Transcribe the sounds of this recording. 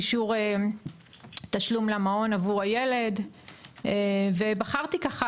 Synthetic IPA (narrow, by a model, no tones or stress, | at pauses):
iʃuʁe | t̪aʃlumlamao̞navuʁaje̞le̞d | eve̞baχaʁt̪ikaχa